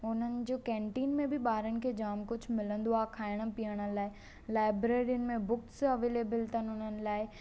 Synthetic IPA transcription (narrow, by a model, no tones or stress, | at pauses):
ʊn̤ənɪ̆d͡ʑoːkɛ̃ːɳʈiːnmẽbɪɓaːɾənɪ̆kʰeːd͡ʑaːmkʊd͡ʑʱʊmɪlə̃nd̪uaːkʰaːɪɽ̃ə̆piəɽ̃ə̆laːɪ | laːɪbɾeːɾiʊnɪ̆mẽbʊksɐʋeːleːbəlt̪ənɪɦʊnənɪ̆laːɪ